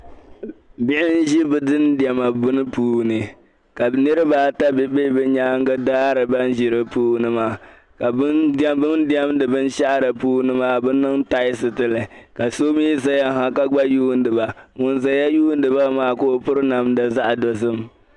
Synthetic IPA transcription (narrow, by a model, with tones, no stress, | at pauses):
bɪ˦ʔɪ˦n̩˦ʒi˦bɨ˨dɨ˦ndi˨ɛ˨ma˨bʊ˦nɨ˦puː˦nɨ˨ | ka˨nɨ˦ɾɨ˦baː˦ta˦bɪ˦be˦bɛ˦ɲaː˦ŋ˦ɡa˦daː˦ɾɨ˨ba˦n˦ʒɪ˨ɾɨ˦puː˦nɨ˦maː˦˨ | ka˨bndɛ˦mbɨ˦ndi˦ɛ˦mdɨ˨bɨ˦n˦ʃa˦ʔɾɨ˨puː˦nɨ˦maː˦bɨ˦nɨ˦ŋta˦ɪ˦sɨ˨tɨ˦la˨ka˨so˦miː˦za˦ja˦ɦa˨ka˦ɡ͡ba˦juː˦n˦dɨ˨ba˨ŋʊ˨n˨za˨ja˦juː˦n˦dɨ˨ba˦maː˨˦ko˦pʊ˦ɾɨ˦na˨mda˨za˦ʔdo˨sɨ˦m